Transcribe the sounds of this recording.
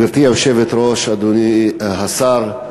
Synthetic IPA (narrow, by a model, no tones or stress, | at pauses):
iɾt̪iamʃevet̪ɾoʃad̪unihasaɾ